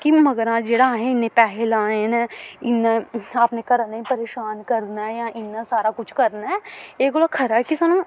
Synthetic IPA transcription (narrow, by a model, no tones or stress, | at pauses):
kimɐɡəɾãd͡ʒeːɽaːɦẽɪnẽpɛːɦɛlaːenɪnːeɐpnekɐɾnẽpɐɾeːʃaːnkɐɾnaɛjãʔɪnːasaːɾakʊt͡ʃʰkɐɾnaɛeːkoːɽakʰɐɾaːkisɐnã